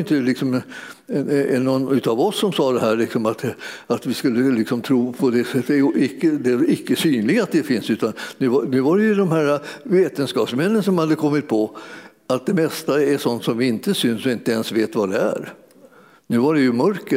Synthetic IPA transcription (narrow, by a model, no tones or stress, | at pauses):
jɪnt̪əlɪksɔmɛɛɛnːɔnːʉ̟ːt̪ɑvɔsːɔmsɑːd̪ɛɦæːɭɪksɔmat̪at̪vɪskɵlːəlɪksɔmt̪ʰɾuːpʰɔd̪ɛsɛt̪ːɛjʔɪkːəd̪ɛɪkːəsyːnlɪɡat̪̚d̪ɛfɪnsʉ̟ːt̪annʉ̟ːvanʉ̟ːvaɾɛjɵd̪ɔmhæːɾaveːt̪ənskɑːpsmɛnːənsɔmhad̪ːəkʰɔmːɪt̪̚pʰɔ | at̪̚d̪ɛmɛst̪aɛʂɔnt̪sɔmvɪɪnt̪əsʏnsɔɪnt̪əɛnsveːt̪vad̪ɛæ̰ɾ | nʉ̟ːvaɾɛjɵmœɾkə